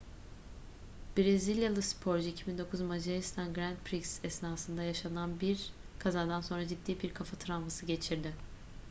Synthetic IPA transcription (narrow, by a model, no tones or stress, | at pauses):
b̥ɾezilʲjalˠɯspʰo̞ɾd͡ʒiicʰibind̪o̞kʰuzmad͡ʒaɾist̪ʰanɡɾænt̪̚pʰɾiksɛsnaːsɯnd̪ajaʃananbiɾ | kʰazaɾd̪anso̞nɾad͡ʒid̪ːiːbiɾkʰafat̪ʰɯɾanvasɯɟe̞t͡ʃʰiɾd̪ɪ